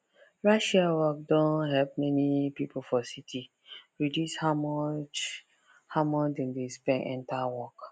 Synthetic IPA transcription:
ɹaʃawɔk̚dɔ̃nɦɛp̚mɛnipipofɔsitʰi | ɹidjushamɔt͡ʃ | hamɔt͡ʃdɛ̃ndespɛ̃nɛ̰̃ntawɔk

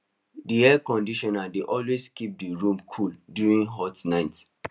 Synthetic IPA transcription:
diɛkɔ̃ndiʃɔnadeʔɔlweskip̚diɹũmkʰuldjuɹĩnɦɔtnaɪt

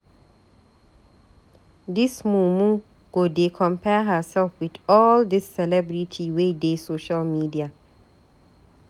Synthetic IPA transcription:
d̪ɪsmuːmũ | ɡ̥odekʰɔ̃mpʰɛɦəsɛlfwɪdɔːld̪ɪsːɛlɛbɹitʰiwedeːsoʃəlmidia

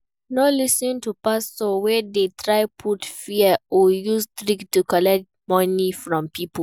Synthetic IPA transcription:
nolisɔ̃ntupasowɛdetʰɹaɪpʰutfiɛojustɾiktːukɔlɛk̚t | mɔ̃nifɹɔ̃mpipo

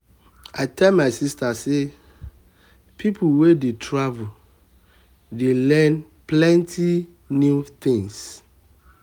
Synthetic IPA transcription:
aɪtʰɛlmaɪsistʰase | pʰipʰuwedetʰɹavu | delɛ̃n | pʰlɛ̃ntʰi | nut̪ɪ̃ŋs

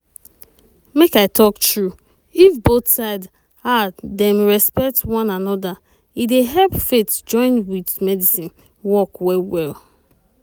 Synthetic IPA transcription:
mekaɪtʰɔktɹu | ifboθsaɪd | adɛ̃mɹɛspɛk̚twɔ̃nanɔda | ideɦɛlpfetd͡ʒɔ̃ɪ̃nwidmɛdisĩn | wɔkwɛwɛlˠ

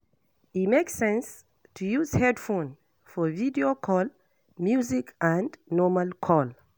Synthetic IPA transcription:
imeksɛ̃ns | tʰujuzhɛdfõn | fɔvidiokʰɔl | mjuzikʰãnnɔmalkʰɔl

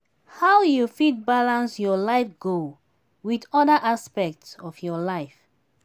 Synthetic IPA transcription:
hawjufid̚balãnsjɔlaɪfɡo | wiðɔdəʔaspɛk̚tsɔfjɔlaɪf

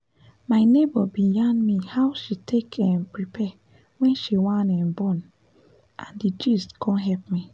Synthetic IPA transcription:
maɪnebɔbijãndmihawʃitʰekʰɛ̃mpɹipʰɛ | wɛ̃nʃiwãnɛ̃mbɔ̃n | ʔãndid͡ʒistkʰɔ̃nɦɛlpmi

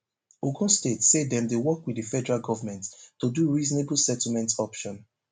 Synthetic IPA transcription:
oɡɔ̃nstetsedɛ̃mdewɔkwidifɛdɛɹalɡɔvəmɛ̃ntːuduɹiznebl̩sɛtl̩mɛ̃ntɔpʃɔ̃n

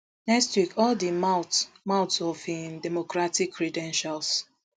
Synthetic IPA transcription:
nɛkstwikʰɔldiatmaʊtsɔfĩndɛmokɹatikʰːɹidɛ̃nʃals

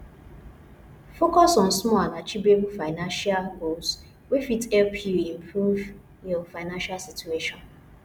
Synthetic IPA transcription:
fokɔsɔ̃n̩smɔlanat͡ʃibebufaɪnãnʃalɡos | wefitɛlpʰjuĩm̩pʰɾuv | jɔfaɪnãnʃalsitueʃɔ̃n

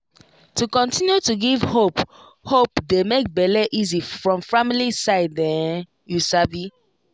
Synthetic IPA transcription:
tukɔ̃ntĩnjutuɡivhop | hopdemek̚bɛlɛʔizifɹɔ̃mfamilisaɪdːɛ̃n | jusavi

